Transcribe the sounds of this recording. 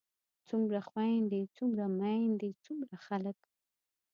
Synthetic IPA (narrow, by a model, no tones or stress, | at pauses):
t͡sʊmɾaχwajnd̪ɪt͡sʊmɾamajnd̪ɪt͡sʊmɾaχalakḁ